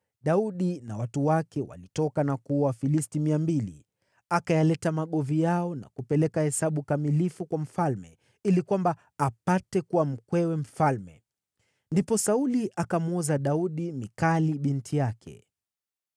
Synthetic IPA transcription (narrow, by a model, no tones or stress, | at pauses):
ɗauɗinawatuwakɛwa̰litɔkanakuwafilistimiambilḭ | akajalɛtamaɠɔvijaɔna̰kupɛlɛkahɛsaɓukamilifukwam̩falmɛ̰ | ilikwambaː | patɛkuwam̩kwɛwɛm̩falmɛ̰ | ndipɔsauliʔakamɔzaɗauɗimikaliɓintʰijakʰɛ̰